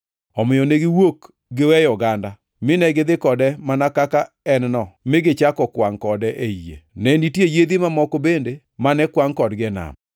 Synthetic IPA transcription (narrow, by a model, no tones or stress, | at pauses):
ɔmɪjɔneɡɪwok | ɡɪwɛjɔɡanda | mɪnɛɡɪd̪ɪkɔdɛmanakaka | ɛnnɔmɪɡɪt͡ʃakɔkwaŋkɔdɛʔeijḛnɛnitjejed̪imamɔkobende | manɛkwaŋkɔdɡɛna̰m